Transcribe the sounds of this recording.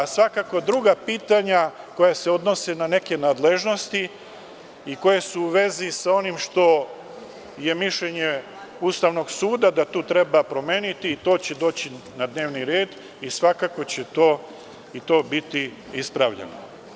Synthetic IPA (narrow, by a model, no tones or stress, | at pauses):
sʋakakod̪ɾuɡapiːt̪aɲako̞jase̞o̞d̪no̞senane̞ke̞naːd̪le̞ʒno̞st̪i | iko̞jesuuʋe̞zisao̞nimʃt̪o̞ | je̞miʃʎeɲe | uːst̪aʋno̞ɡsuːd̪ad̪at̪uːt̪ɾe̞bapɾo̞meːnit̪iːt̪o̞ːt͡ɕe̞d̪o̞ːt͡ɕi | nad̪ne̞ːʋniɾeːd̪ | isʋakako̞t͡ɕet̪o̞ː | it̪o̞ːbit̪i | ispɾaʋʎḛno̰